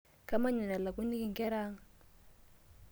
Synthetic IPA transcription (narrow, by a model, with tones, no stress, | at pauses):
ka˦ma˦ɲa˨na˨la˨ku˦ni˦ki˨ŋ˨kɛ˦ɾaː˦ŋ̩˨